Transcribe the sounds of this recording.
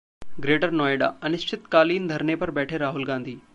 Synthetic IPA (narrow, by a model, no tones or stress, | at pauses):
ɡɾeːʈəɾnɔːeɖa̰ːɐnɪʃt͡ʃʰɪt̪kaːliːnd̪ʱɐɾɳepɐɾbɛːʈʰeɾaːɦulɡãːnd̪ʱiː